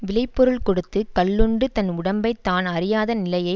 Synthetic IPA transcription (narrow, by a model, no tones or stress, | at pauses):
ʋɪlɐɪpːɔɾɯɭkɔɽɯt̪ːɯkɐlːɯɳɖɯt̪ɐnʊɽɐmbɐɪt̪ːaːnɐɾɪjaːðɐnɪlɐjɐɪ